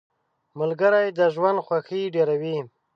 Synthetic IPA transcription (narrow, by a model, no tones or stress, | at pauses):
məlɡəɾajd̪əʒwand̪xwaxiɖeɾawi